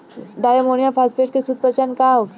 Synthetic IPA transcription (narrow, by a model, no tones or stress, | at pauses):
ɖajəmonijapʰaspeʈ̚kesud̪̚pət͡ʃankaɦok